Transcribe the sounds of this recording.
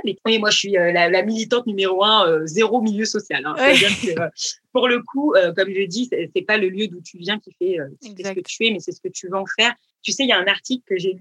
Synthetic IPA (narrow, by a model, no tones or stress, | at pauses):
mɛwɛmwaʒəʃɥiølalamilit̪ɑ̃t̪̚nymeʁoɛ̃øzeʁomiljøsɔsjalɛ̃ɛbjɛ̃sɛøpuʁləkʰuøkɔmʒəd̪isɛsɛpaləljød̪ũt̪ʰyvjɛ̃kʲifɛøkʲi̥fɛsəkətt̪ʰyɛmɛsɛsə̥kət̪yvøɑ̃fɛːʁ | t̪ysɛjaɛ̃naʁt̪iklkəʒey